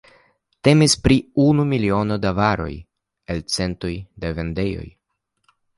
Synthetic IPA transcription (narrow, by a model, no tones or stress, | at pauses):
te̞mispɾiunumilio̞no̞davaɾo̞̰j | elt͡se̞nto̞jdeve̞nde̞jo̞̰j